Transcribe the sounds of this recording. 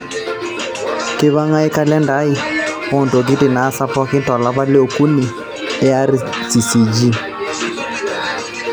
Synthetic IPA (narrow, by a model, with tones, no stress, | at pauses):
kɪ˦βa˦ŋa˦ɪ˦ka˦lɛ˦nda˨˦i˨ | ɔ˨nto˨k̬i˦dɪ˨naː˨˦sa˦pɔ˦kɪ˦ntɔ˨la˦βa˦le˦o˨ku˦ni˨ | ɛ˦a˦ɾi˨ | si˨si˨d͡ʒi˦